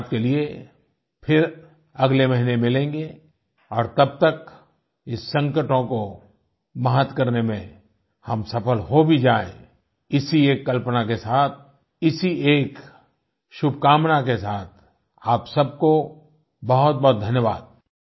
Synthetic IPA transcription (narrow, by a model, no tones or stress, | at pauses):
t̪kelie | pʰɪɾ | ɐɡlemɐɦinemɪlẽːŋɡe | ɔːɾt̪ɐb̚t̪ək | ɪsːɐ̃ŋkəʈõko | mɐɦət̪kɐɾnemẽ | hɐmsɐpəlɦobʱid͡ʒaːḛ̃ | ɪsieːkːɐlpnakesaːt̪̚ʰ | ɪsieːk | ʃʊbʱkaːmnakesaːt̪̚ʰ | aːpsɐb̚ko | bɐɦʊt̪̚bɔɦt̪̚d̪ʱɐnjəʋaːd̪̚